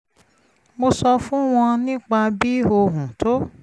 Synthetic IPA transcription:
mo˧sɔ˧fũ˦w̃ɔ̃˧nĩ˦k͡pa˧bi˦o˧ɦũ˨to˦

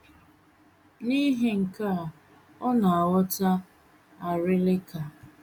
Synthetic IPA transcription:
ni˦ɦɪ˨ŋ̩˨ka˦˨ | ɔ˦na˨a˨wɔ˦ta˦ | a˨ɾɪ˦lɪ˦ka˨

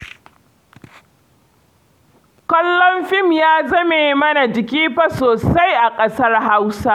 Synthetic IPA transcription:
kʷɔ˦lːɔ˦mɸɪ˦˨mjaː˦zɐ˦meː˨mɐ˦na˨d͡ʒɪ˨k̬ʲiː˦ɸɐ˨soː˨sa˦jʔa˨kʼɐ˦sɐ˦rɦa˦wsa˦

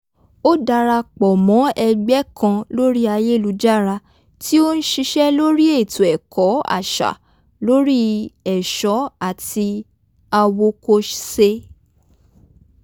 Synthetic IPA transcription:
o˦da˧ɾa˧k͡pɔ˨mɔ̃˨˦ɛ˧ɡ͡bɛ˦kʰã˧lo˦ɾi˦a˧je˦˨lu˧d͡ʒa˦˨ɾa˧ | ti˦o˦n̩˦ʃi˧ʃɛ˦lo˦ɾi˦e˦˨tu˨ɛ˨kʰɔ˨˦a̰˦˨ʃa̰˨ | lo˦ɾi˦ɛ˨ʃɔ˨˦a˦˨ti˧ | a˧wo˧ko˧ʃse˧

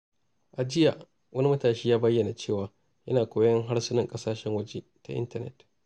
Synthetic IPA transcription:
ʔa˨d͡ʒɪ˦ja˨ʔ | wʔɐ˦ni˦mɐ˦taː˨ʃiː˦jaː˦bɐ˦jːɐ˨na˨t͡ʃeː˦˨waː˨ | jɐ˦naː˨kʷoː˦jɐ˦ŋɦa˦ɽsʊ˦nɪ˦ŋkʼɐ˦saː˦ʃɛ˦ŋwɐ˦d͡ʒe˦ta̰˨ʔɪ̰˦ntɐ˦˨nɛ̰˨t

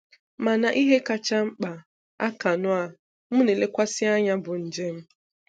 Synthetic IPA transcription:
ma˨na˨ʔi˦ɦe˦ka˨t͡ʃa˦ŋ͡m̩˦k͡pa˨ | a̰˦ka˨nʊ˦a˨ | m̩˦ne˨le˦kʷa˦sɪ˦a˦ɲa˦bʊ˨n̩˨d͡ʒe˦m̩˦

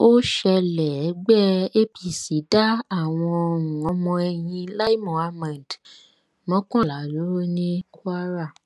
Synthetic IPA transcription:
o˦ʃɛ˧lɛ˨˦ɡ͡bɛ˦e˦pi˧si˨˦da˦a˦˨w̃ɔ̃˧o˧˨ũ˨ɔ̃˧mɔ̃˧ɛ˧jĩ˧la˦i˦mɔ̃˨a˧mã˨d | mɔ̃˨˦kɔ̃˦la˨˦˨lo˨˦ɾo˦nĩ˦ku˦a˦ɾa˦˨

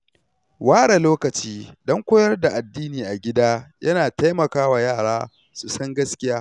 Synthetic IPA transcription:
waː˦ɽe˨loː˦kɐ˨t͡ʃiː˦dɔ˦ŋkʷoː˦jɐ˦rda˨ʔa˨dːiː˦niː˨ʔa˨ɡʲɪ˦daː˦jʔɐ˦naː˨ta˦jmɐ˨kaː˦wa˨jaː˦˨ɽaː˦ | su˨sɐ˦ŋɡɐ˦skʲɪ˦jaː˦

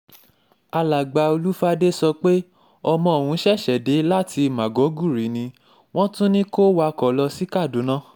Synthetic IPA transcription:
a˧la˨ɡ͡ba˧˨o˧lu˦fa˦de˦sɔ˧k͡pe˦ | ɔ˧mɔ̃˧˨o˨wũ˧˦ʃɛ˦˨ʃɛ˨de˨˦la˦˨tʰi˧˨mã˨ɡɔ˨˦ɡu˦˨ɾi˨˦nĩ˧ | w̃ɔ̃˦tũ˦nĩ˦ko˦wa˧kɔ˨lɔ˧si˨˦ka˦˨du˨˦nã˦˨

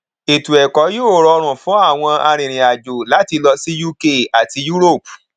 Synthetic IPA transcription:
e˨tu˨ɛ˨kɔ˨˦jo˦˨ɾɔ˧ɾ̃ũ˨fũ˨˦a˦˨w̃ɔ̃˧a˧ɾ̃ĩ˨ɾ̃ĩ˨a˨d͡ʒo˨la˨˦ti˧lɔ˧si˦ju˦ke˦a˨ti˧ju˦ɾo˦˨p

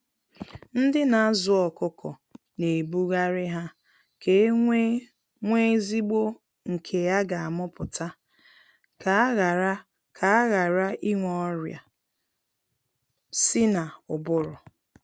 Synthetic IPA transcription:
n̩˦dɪ˦na˨a˦zʊ˨ɔ˨kʊ˦kʰɔ˨ | ne˨bu˦ɣa˦ɾɪ˦ɦa˦ | ke˨˦ | ŋʷe˦zi˦ɡ͡bo˦ | ŋ̩˨kʰe˨ja˦ɡa˨a˨mʊ˦pʊ˨ta˦ | ka˦ɣ | kʰa˨˦ɣa˨ɾa˦ʔi˦ŋʷɔ˦ɾja̰˨ | sɪ˦na˨ʊ˨bʊ˦ɾʊ˨

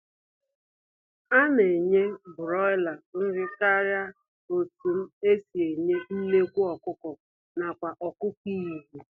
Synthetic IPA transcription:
a˦ne˨ɲe˦bʊ˨ɾɔ˦ɪ˦la˨n̩˦ɾɪ˦ka˦ɾja˦ | o˨tu˨m̩˦e˦si˨e˨ɲe˦n̩˦ne˦kʷu˦ɔ˨kʊ˦kɔ˨ | na˨kʷa˨ʔɔ˨kʊ˦ki˦i˨ɦi˨

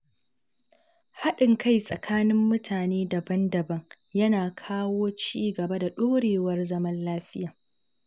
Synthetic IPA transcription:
ha˦ɗɪ˨ŋkʰa˦˨jsʼɐ˨kʰaː˦nɪ˦mːʊ˦tʰaː˨neː˦dɐ˨bɐ˦ndɐ˨bɐ˦ŋ | jɐ˦naː˨kʰaː˦woː˦t͡ʃiː˦ɡɐ˨ba˦da˨ɗoː˦ɽeː˨wɐ˦rzɐ˦mɐ˦nlaː˦ɸɪ˦jaː˨

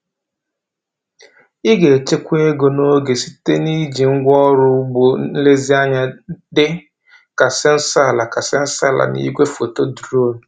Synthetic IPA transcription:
i˦ɡe˨t͡ʃe˦kʷe˦ɡo˨no˦ɡe˨si̥˦te˦ni˦d͡ʒi˨ŋ̩˦ɡʷɔ˦ɾʊ˦ɡ͡bo˨˦n̩˦le˦zi˦a˦ɲa˦dɪ˦ | ka˨sɪ˦n̩˦sa˦˨la˨ka˨sɪ˦n̩˦sa˦˨la̰˨nḭ˨˦ɡʷe˦fo˨to˦du˨ɾo˦nʊ˨

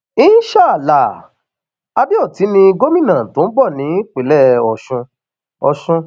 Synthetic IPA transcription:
i˦ʃa˦˨la˨ | a˧bi˦ɔ˦˨ti˨˦nĩ˧ɡo˦mĩ˦˨nã˨tõ˨˦bɔ˦˨nĩ˨˦k͡pe˨lɛ˦˨ɔ˨ʃũ˧ | ɔ˧˨ʃũ˧

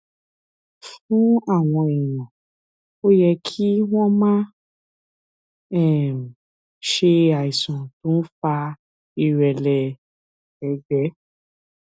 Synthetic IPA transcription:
fũ˦a˦˨w̃ɔ̃˧ɛ˨j̃ɔ̃˨ | o˦jɛ˧kʰi˦w̃ɔ̃˦mã˦ | ɛ˦˨m˨ | ʃe˧a˨i˨sɔ̃˨tũ˦n̩˦fa˧ | i˧˨ɾɛ˨lɛ˨ | ɛ˧d͡ʒɛ˨˦

